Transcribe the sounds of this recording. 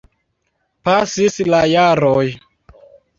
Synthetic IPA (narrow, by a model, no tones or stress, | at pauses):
pasislajaɾoj